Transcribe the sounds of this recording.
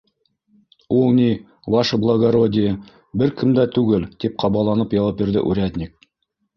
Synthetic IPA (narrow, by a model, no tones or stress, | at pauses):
ulˠnʲi | wɑʃblˠaɡɐɾodʲɪjə | bɘɾkʰɘ̆md̪æt̪ʉɡɘlt̪ip̚qʰɑβɑlˠɑnɤpjɑwɑp̚biɾðɘ̰ʔʉɾʲæd̪ʲnʲik̚